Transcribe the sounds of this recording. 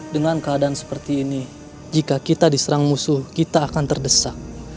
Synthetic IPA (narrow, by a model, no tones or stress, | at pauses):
dəŋankəadansə̥pərt̪iːni | d͡ʒikakit̪adisəɾaŋmusuhkit̪aːkant̪ərdəsak̚